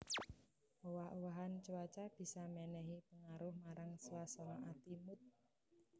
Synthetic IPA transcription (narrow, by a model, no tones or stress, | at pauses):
owahowaɦant͡ʃuwat͡ʃab̥i̤samɛnɛɦipəŋaɾʊhmaɾaŋswasɔŋɔʔat̪imʊt̪̚